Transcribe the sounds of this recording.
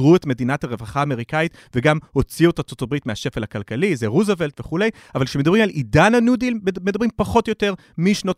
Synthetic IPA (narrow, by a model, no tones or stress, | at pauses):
ʁuetme̞d̪inathaʁevaχaːme̞ʁikait | veɡamho̞t͡siuotat͡sotabʁitmeaʃe̞felhakalkalizeʁuzevelt̪v̥e̞χule̞javalkʃemed̪ɐabʁimalʔidanhanudilmedabʁimpaχo̞tjote̞ʁ | miʃnot